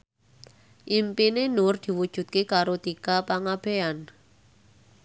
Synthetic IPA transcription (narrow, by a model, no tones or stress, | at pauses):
ʔimpinenʊrd̪̥i̤wud̥ʒ̥ṳt̪̚kekaɾot̪ikapaŋab̥e̤an